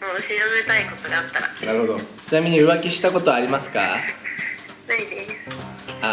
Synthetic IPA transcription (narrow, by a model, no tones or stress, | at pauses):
oɕiɾobɯet̪aiko̞t̪oɡaat̪ːaɾa̰naɾɯ̟ho̞d̪o̞t͡ɕinamʲiɲ̟iɯ̟βakʲiɕi̥t̪ako̞t̪o̞aɾʲimasɨ̥ka̰ | naid̪esɨ̥ | a